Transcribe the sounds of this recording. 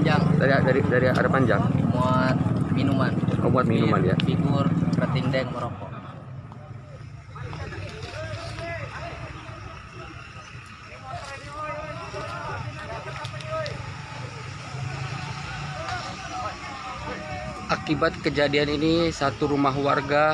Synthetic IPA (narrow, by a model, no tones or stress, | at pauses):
d͡ʒaŋdaɾidaɾidaɾia̰ɾɛpaɲd͡ʒaŋmuat̪̚minumanʔɔ̰muat̪̚minumanja̰biɡurprət̪indɛŋmɔɾɔpɔ | ʔakibat̪̚kəd͡ʒadianinisat̪uɾumaɦwarɡa